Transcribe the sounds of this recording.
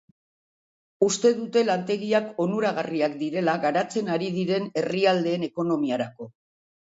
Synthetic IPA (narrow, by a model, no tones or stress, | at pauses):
ust̪e̞ðut̪e̞lant̪e̞ɣiako̞nuɾaɣariakd̪iɾe̞laɣaɾat͡se̞naɾið̞iɾe̞ne̞riald̪e̞ːne̞ko̞no̞miaɾako̞